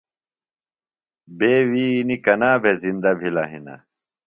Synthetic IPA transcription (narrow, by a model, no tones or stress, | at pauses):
beːwiːnikɐnaːbʱezind̪ɐbʱilɐɦinɐ̰